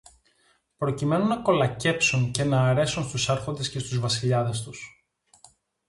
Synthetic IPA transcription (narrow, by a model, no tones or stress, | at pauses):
pɾo̞cime̞nunɐko̞lɐce̞psunce̞nɐːɾe̞sunst̪usɐɾxo̞nd̪esce̞st̪uzvɐsiʎɐðe̞st̪us